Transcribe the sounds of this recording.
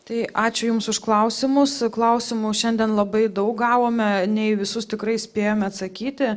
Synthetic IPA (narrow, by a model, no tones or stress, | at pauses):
t̪ɐɪɑːt͡ʃʲʊjʊmsʊʃklˠɐʊsʲɪmʊsklˠɐʊsʲɪmʊʃʲɛnʲd̪ʲiɛnlˠɐbɐɪd̪ɐʊk̚ɡɑːʋoːmʲɛnʲɛɪʋʲɪsʊst̪ʲɪkɾɐɪsʲpʲeːjoːmʲɛɐt̪sɐkʲiːt̪ʲɪ